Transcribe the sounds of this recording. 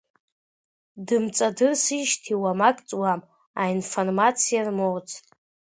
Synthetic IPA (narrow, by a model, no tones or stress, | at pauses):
dɨmt͡sʼadɨrsiʃtʰiwamakʼt͡sʼwam | ainformat͡sʰijarmowt͡sʰtʼ